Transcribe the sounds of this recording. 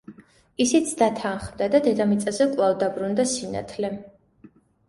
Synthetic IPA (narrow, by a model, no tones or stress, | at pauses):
isit̪sʰd̪at̪ʰanχmd̪ad̪ad̪ɛd̪amit̪sʼazɛkʼwlˠavd̪abɾund̪asina̰t̪ʰlɛ